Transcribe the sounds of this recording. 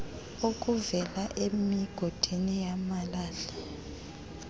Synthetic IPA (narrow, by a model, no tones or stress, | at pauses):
ok̬ʼuvɛlaʔemiɡ̥ʱod̥ʱinijamalaːɮɛ